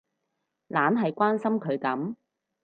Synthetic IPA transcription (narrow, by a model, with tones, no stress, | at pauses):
laː˨˥nɦɐ˨jkʷaː˥nsɐ˥mkʰɵ˨˧ɥkɐ˨˥m